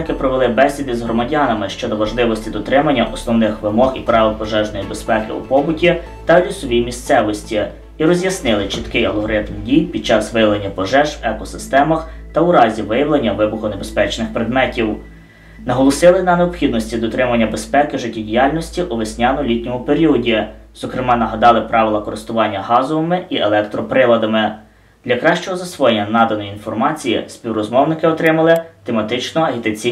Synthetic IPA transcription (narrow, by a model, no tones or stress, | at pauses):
kɪpɾɔʋelˠɪbɛsʲʋʲid̪ɪzɦɾɔmɐdʲɑnɐmɪʃt͡ʃɔd̪ɔʋɐʒlˠɪʋɔsʲtʲid̪ɔt̪ɾɪmɐnʲːɐʔɔsnɔwnɪxʋɪmɔxipɾɑʋɪpɔʒɛʒnɔjibespɛkɪ̰ṵpɔbʊtʲi | t̪ɐlʲisɔʋʲijmʲist̪sɛʋɔsʲtʲi | iɾɔzʲjɐsnɪlˠɪt͡ʃɪt̪kɪjɐlˠɦɔɾɪt̪mdʲijpʲid̪̚t͡ʃɑsʋɪjɐʋlˠenʲːɐpɔʒɛʒwɛkɔsɪst̪ɛmɐxt̪ɐʊɾɑzʲiʋɪjɐwlˠenʲːɐʋɪbʊxʊnebe̞spɛt͡ʃnɪxpɾed̪mɛtʲiw | nɐɦɔlˠɔsɪlˠɪnɐneɔpxʲid̪nɔsʲtʲid̪ɔt̪ɾɪmɐnʲːɐbe̞spɛkɪʒɪtʲːidʲijɑlʲnɔsʲtʲiʔuʋɪsʲnʲanɔlʲitʲnʲɔmʊpeɾʲiɔdʲiz̥ɔkɾɪmɑnɐɦɐd̪ɑlˠɪpɾʔɑʋʲɪlˠɐkɔɾɪst̪ʊʋɑnʲːɐɦɑzɔʋɔmɪielˠɛkt̪ɾɔpɾɪlˠɐd̪ɐmɪ | d̪̥lʲɐkɾɑʃt͡ʃɔɦɔzɐsʋɔjenʲːɐnɑd̪ɐnɔjiinfɔrmɑt͡sʲijḭsʲpʲiwrɔzmɔwnɪkɪɔt̪ɾɪmɐlˠɪt̪emɐt̪ɪt͡ʃnɔɐɦʲit̪ɐt͡sʲi